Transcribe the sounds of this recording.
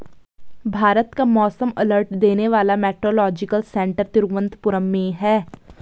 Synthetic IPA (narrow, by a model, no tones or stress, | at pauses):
bʱaːɾət̪kamɔːsəmɐ̰ləɾʈd̪eːneʋaːlamɛːkɾoːlɔːd͡ʒɪkəlsɛ̃ɳʈəɾt̪ɪɾɡʋə̃nt̪pʊɾəmːẽɦɛː